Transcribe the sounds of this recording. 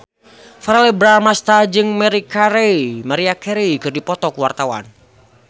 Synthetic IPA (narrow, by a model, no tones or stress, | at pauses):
faɾalɛbɾamast̪ad͡ʒɨŋmɛɾikaɾeimaɾiakɛɾikɨrdipɔt̪ɔkuwart̪awa̰n